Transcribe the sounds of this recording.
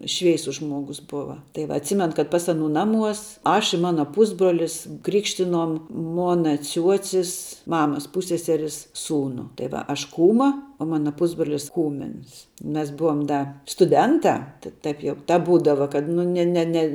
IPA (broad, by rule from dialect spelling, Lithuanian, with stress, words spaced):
ˈʃʲʋʲɛɪsʊs ˈʒmuɔɡʊs ˈbʊʋɐ tɐɪ ˈʋɐ ɐtʲˈsʲiːmʲɛn kɐt ˈpɐs ɐˈnuː ˈnɑːˌmuɔs ˈɐʃ ɪ ˈmɑːnɐ ˈpʊzbruɔlʲɪs ˈkrʲɪkʃʲtʲɪnoːm ˈmoːnɐ ˈt͡sʲuɔt͡sʲɪs ˈmɑːmɐs ˈpuːsʲsʲɛsʲɛrʲɪs ˈsuːnʊ tɐɪ ˈʋɐ ɐʃ ˈkuːmɐ oː ˈmɑːnɐ ˈpʊzbroːlʲɪs ˈkuːmʲɪns ˈmʲɛs ˈbʊʋoːm ˈdɐ stʊˈdʲɛntɑː tɐ ˈtɐɪp jɛʊ ˈtɐp ˈbuːdɐʋɐ kɐt ˈnʊ nʲɛ nʲɛ ˈnʲɛ